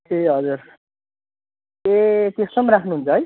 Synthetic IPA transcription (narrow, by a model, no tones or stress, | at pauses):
keɦʌd͡zuɾ | et̪est̪ʌmɾakʰnuɦunt͡sʰʌɦʌj